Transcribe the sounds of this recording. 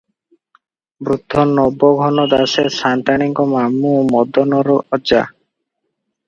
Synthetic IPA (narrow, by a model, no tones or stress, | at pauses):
bɾud̪ʱːɔnɔbːɔɡʱɔnɔd̪aseɾsant̪aniŋkɔmamːumɔd̪ːɔnɔɾɔɔd͡ʒa̰